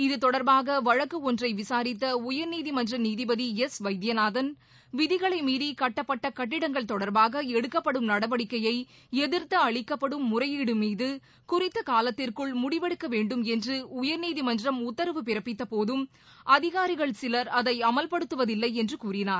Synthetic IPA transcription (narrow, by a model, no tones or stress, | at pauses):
ɪðɯt̪ɔɽɐɾbaːɣɐʋɐɻɐkːɯɔndrɐɪʋɪsaːɾɪt̪̬ːɐʊjɐɾniːðimɐndrɐniːðɪbɐðiɛsʋɐɪd̪jɐnaːðɐn | ʋɪðɪɣɐɭɐɪmiːðikɐʈːɐpːɐʈːɐkɐʈːɪɽɐŋɡɐɭt̪ɔɽɐɾbaːɣɐɛɽɯkːɐpːɐɽɯmnɐɽɐʋɐɽɪkːɐjɐɪ | ɛðɪɾt̪ːɐɐɭɪkːɐpːɐɽɯmːʊrɐjiɽɯmiːðɯ | kʊrɪt̪ːɐkaːlɐt̪ːɪrkɯɭmʊɽɪʋɛɽɯkːɐʋeːɳɖɯmɛndrɯʊjɐɾniːðimɐndrɐmʊt̪ːɐɾʋɯpɪɾɐpːɪt̪ːɐpoːðɯm | ʔɐðɪɣaːɾɪɣɐɭsɪlɐɾɐðɐɪɐmɐlpɐɽɯt̪ːɯʋɐðɪlːɐɪɛndrɯkuːrɪnaːɾ